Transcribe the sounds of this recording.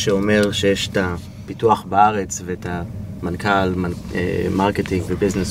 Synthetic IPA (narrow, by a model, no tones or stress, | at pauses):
ʃeomeʁʃejeʃta | pituaχbaaʁet͡svetʰa | mankalma | ḛmaʁketiŋɡvebiznes